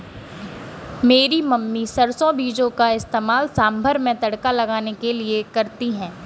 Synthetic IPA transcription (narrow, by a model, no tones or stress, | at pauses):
meːɾimɐmːisɐɾsõbiːd͡ʒõkaɪst̪eːmaːlsaːmbʱəɾmẽt̪ɐɽkalɐɡaːnekeliekɐɾt̪iɦɛ̃ː